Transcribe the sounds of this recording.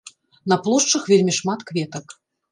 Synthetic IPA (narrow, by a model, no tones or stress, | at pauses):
nɐplˠɔʂt͡ʂɐxvʲelʲmʲiʂmat̪kvʲɛt̪ɐk